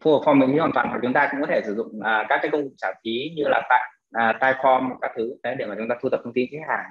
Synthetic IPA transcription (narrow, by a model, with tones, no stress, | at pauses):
fo˧˨˩p̚fɔ˧mːḭ˧˥ŋʰi˨˦waː˨˩t̪waː˨˩hwa˨˩t͡ɕʊ˨˦ŋ͡mt̪aː˧kʊ̰˧˥ŋ͡mkɔ˨˦tʰe˧˩sɨ˧˩zʊ̰˧˨ŋ͡mʔəː˨˩kaː˦˥kːaː˨˦jkə˧wŋ͡mkʊ˨˩k͡p̚t͡ɕaː˧˩fi˨˦ɲɨ˧laː˨˩t̪aː˧ | ʔəː˨˩t̪aː˧jfɔ˧m˨˩kaː˦˥k̚t̪ʰɨ˨˦e˨˦ɗe˧˩maː˨˩t͡ɕʊ˨˦ŋ͡mt̪aː˧u˧t̪ə˨˩t̪ʰə˧ŋ͡mt̪i˧nt͡ɕʰːk̚haː˨˩ŋ